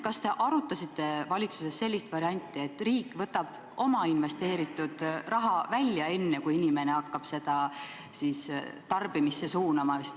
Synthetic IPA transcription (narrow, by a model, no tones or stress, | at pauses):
kɑst̪e̞ʔɑɾut̪ːˑɑsit̪ːˑe̞vɑlʲit̪suse̞sːe̞lʲːist̪vɑɾiɑnʲt̪ːˑie̞t̪ːˑriːkːˑvɤt̪ːˑɑb̥ | ʔo̞mɑinve̞st̪e̞ːɾit̪ːˑud̪̥rɑɦɑvælʲːjɑe̞nːe̞kujinʲime̞neɑkːɑb̥se̞d̪ɑ | sist̪ɑrb̥imisːesuːnɑmɑs